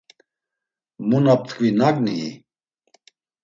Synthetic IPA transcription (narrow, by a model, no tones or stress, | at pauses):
munap̚t̪ʰkʰʼvinakʼniḭ